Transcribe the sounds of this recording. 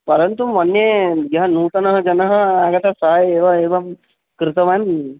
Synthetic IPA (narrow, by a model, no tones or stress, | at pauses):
pɐɾənt̪umɐnːjejɐɦɐnuːt̪ɐnəɦəd͡ʒɐnəɦəaɡɐt̪asaɦjeːʋaeːʋɐm | kɾɪt̪əʋan